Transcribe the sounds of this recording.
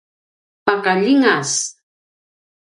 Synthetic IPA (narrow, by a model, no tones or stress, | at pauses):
pakaʎiŋas